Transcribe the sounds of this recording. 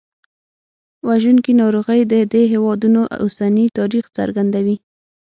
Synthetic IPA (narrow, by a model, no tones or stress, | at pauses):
waʒunkinɑɾoɣəjd̪əd̪eɦewɑd̪unoʔo̰sanit̪ɑɾixt͡sa̰ɾɡand̪awi